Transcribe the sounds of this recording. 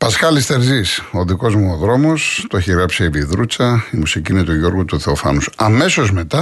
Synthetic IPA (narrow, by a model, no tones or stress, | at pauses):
pɐskɐlist̪e̞ɾziso̞ðiko̞zmuoðɾo̞mo̞st̪oeçiɣɾɐpsieviðɾut͡sɐimusiciːne̞t̪uʝo̞ɾɣut̪uθe̞ofɐ̰nusɐme̞so̞zme̞t̪ɐ